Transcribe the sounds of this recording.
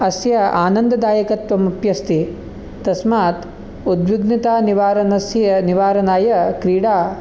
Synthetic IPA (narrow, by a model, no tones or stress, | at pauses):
ɐsjɐaːnɐnd̪ɐd̪aːjɐkɐt̪ʋɐmupjɐst̪i | t̪ɐsmaːt̪ | ud̪ʋjuɡnit̪aːniʋaːɾɐnɐsjɐniʋaːɾɐnaːjɐkɾiːɽaː